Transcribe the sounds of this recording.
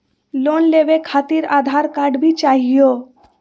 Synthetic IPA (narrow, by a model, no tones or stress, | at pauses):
loːnleːʋekʰaːt̪iɾaːd̪ʱaːɾkaːɾɖbʱit͡ʃaːɦijo